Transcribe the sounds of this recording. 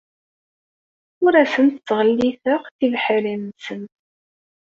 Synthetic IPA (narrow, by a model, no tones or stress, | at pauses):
ʊɾæsənt̪ət͡sːʁəlːiθəqθivħəɾinnsənt̪